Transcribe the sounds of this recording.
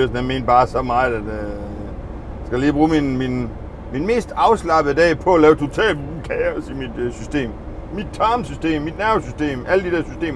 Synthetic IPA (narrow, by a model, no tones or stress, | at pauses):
øsn̩jæme̝̰ːn̥̚b̥ɑ̈ːsɒ̽mɑ̈ːð̩ˠæd̥ | sɡ̥æliːb̥ʁuːminmin | min̥me̝̰ːsd̥ɑ̈ʊslɑ̈b̥ð̩ˠd̥ɛ̰ːpʰɒ̽ælɛːʊt͡sʰo̝t͡sʰɛ̰ːlkʰɛɐsimid̥sysd̥e̝̰ːm | mid̥̚t͡sʰɑ̈msysd̥e̝̰ːmːid̥næɐʋsysd̥e̝̰ːmʔæl̰d̥iɾæɐsysd̥e̝̰ːm